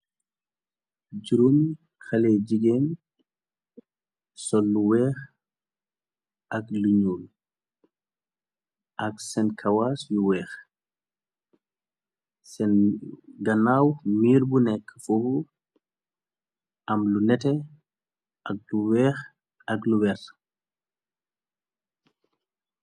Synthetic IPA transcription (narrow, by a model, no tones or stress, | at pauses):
d͡ʒuɾum | xɐlɛd͡ʒiɡɛn | sɔlːuwɛːx | ʔɐkluɲuːl | ʔɐksɛnkʰɐwaːsjuwɛːx | sɛnɡɐnaːwmiːɾbunɛkːəfuhu | ʔɐmlunɛtɛ | ɐk̚luwɛːx | ɐkluwɛr